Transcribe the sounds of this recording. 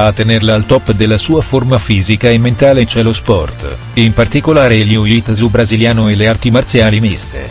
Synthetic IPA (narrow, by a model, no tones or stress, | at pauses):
aːt̪ːenerlaːlt̪ɔpːd̪elːasuːaformafiːzikaemːent̪aːlet͡ʃɛlospɔ̰rt̪ | impart̪ikolaːɾeljuit̪zubɾaziljaːnoeleart̪imart̪sjaːlimist̪ḛ